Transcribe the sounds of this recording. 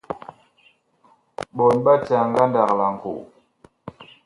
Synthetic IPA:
ɓɔ˨nɓa˦t͡ʃa˨ŋ˦ɡa˦nda˨k̚la˨ŋ̩˨kṵ˨

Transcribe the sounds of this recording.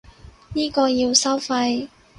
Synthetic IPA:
niː˥kɔː˧jiː˧wsɐ˥wfɐ˧j

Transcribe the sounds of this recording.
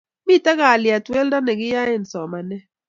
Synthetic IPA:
mi˦˨ta˦ɣa˨li˨a˨twɛ˦lda˦nɛ˨ki˦ja˦ɪ˨n̩˨sɔ˨ma˨nɛ˦

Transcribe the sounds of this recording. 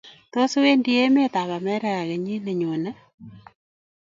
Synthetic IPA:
to˦su˦we˦ndi˦e˦me˦ta˨βa˨mɛ˦ɾɛ˦ɣa˨ɣɛ˨ɲi˦ne˨ɲo˨na˦

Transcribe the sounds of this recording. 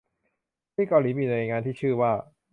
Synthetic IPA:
iː˥˩ka˧wliː˩˦miː˧naː˧ŋaː˧nt̪ʰiː˥˩t͡ɕʰɯː˥˩waː˥˩

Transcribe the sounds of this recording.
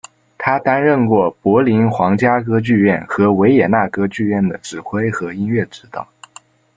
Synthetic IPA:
t̪ʰa˥t̪a˥nɻə˥˧nkwɔ˥˩pwɔ˧˥li˧˥nxwɑ˧˥ŋt͡ɕja˥k̬ɤ˥t͡ɕy˥˧ɥɛ˥˩nxɤ˧˥we˧˥ɪjɛ˨˩na˥˩kɤ˥t͡ɕy˥˧ɥɛ˥˩nd̪ə˩ʈ͡ʂɻ̩˨˩xwe˥ɪxɤ˧˥i˥nɥɛ˥˩ʈ͡ʂɻ̩˧˥t̪ɤ̰˨˩˦

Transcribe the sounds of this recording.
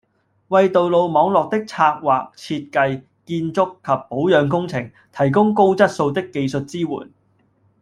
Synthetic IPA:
wɐ˨˧jt̪o˨wlo˨˧wmɔː˨˧˥ŋlɔː˨k̚t̪ɪ˥k̚t͡sʰaː˧k̚waː˨k̚t͡sʰiː˧t̚kɐ˧j | kiː˧nt͡sʊ˥kkʰːɐ˨pːo˨˥wjœː˨˧ŋkʊ˥ŋt͡sʰɪ̰˨˩ŋ | t̪ʰɐ˨˩jk̬ʊ˥ŋko˥wt͡sɐ˥t̚so˧wt̪ɪ˥kːe˧jsɵ˨t̚t͡siː˥wṵː˨˩n

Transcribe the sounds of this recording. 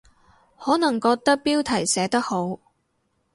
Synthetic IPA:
hɔː˨˥nɐ˨˩ŋkɔː˧k̚t̪ɐ˥k̚piː˥wt̪ʰɐ˨˩jsɛː˨˧˥t̪ɐ˥k̚ho˨˥w

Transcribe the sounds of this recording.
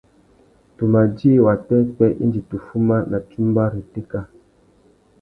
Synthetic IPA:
tu˨ma˨d͡ʒi˦˨wa˨tɛ˦k͡pɛ˦ʔḭ˦nd͡ʒi˨tu˨fu˦ma˦na˨tu˦m˦ba˦ɾi˨te˦ka˦

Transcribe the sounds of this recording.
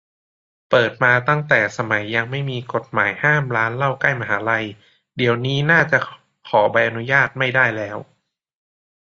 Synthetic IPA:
pɤː˨˩t̪̚maː˧t̪a˥˩ŋt̪ɛː˨˩sa˧ma˩˦jːa˧ŋma˥˩jmiː˧ko˨˩t̪̚maː˩˦jhaː˥˩mɾaː˦˥nla˥˩wka˥˩jma˧ɦaː˩˦la˧j | di˨˩˦əwniː˦˥naː˥˩t͡ɕa˨˩ | kʰɔː˩˦ba˧jʔa˧nu˦˥jaː˥˩t̪̚ma˥˩jdaː˥˩jlɛː˦˥w

